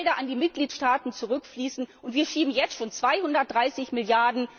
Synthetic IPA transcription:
ldɐʔandiːmɪt̚ɡ̥liːtʃtaːtn̩t͡suʁʏkfliːsn̩ʔʊntv̥iːɐʃiːbm̩jɛt͡stʃoːnt͡sv̥aɪhʊndɐt̚d̥ʁaɪsɪçmɪljaɐdn̩

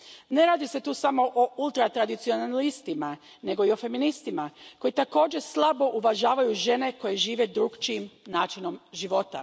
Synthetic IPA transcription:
ne̞ɾaːd̪ise̞t̪uːsamo̞ʔoulˠt̪ɾat̪ɾad̪it̪sionalist̪ima | ne̞ɡo̞io̞fe̞minist̪imako̞jit̪ako̞ːd͡ʒe̞slˠabo̞ʔuʋaʒaːʋajuʒe̞ne̞ko̞je̞ʒiːʋe̞d̪ɾuɡt͡ʃiimnaːt͡ʃino̞mʒiʋo̞t̪a̰

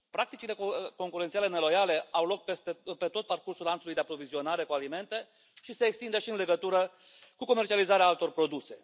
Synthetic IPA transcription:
pɾak̚t̪it͡ʃile̞kko̞ŋkuɾe̞nt̪iale̞ne̞lo̞jale̞awlo̞k̚pest̪epe̞t̪o̞t̪̚parkursulant̪sulujd̪e̞apɾo̞vizio̞naɾe̞kualime̞nt̪e̞ | ʃise̞ːkst̪ind̪eʃiɨnle̞ɡət̪uɾə | kuko̞me̞rt͡ʃializaɾeaalt̪o̞rpɾo̞d̪use̞

